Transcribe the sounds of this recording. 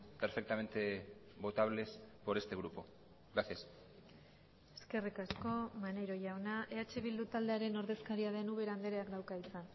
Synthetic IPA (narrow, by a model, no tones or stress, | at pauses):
peɾfe̞k̚t̪ame̞nt̪e̞βo̞t̪aβ̞le̞spo̞ɾe̞st̪e̞ɣ̞ɾupo̞̰ | aθes | e̞̥ske̞rikasko̞mane̞jɾo̞ʝawnaʔe̞at͡ʃe̞βild̪ut̪ald̪e̞aɾe̞no̞ɾðe̞skaɾiaðe̞nuβe̞ɾand̪e̞ɾe̞akd̪awkaisan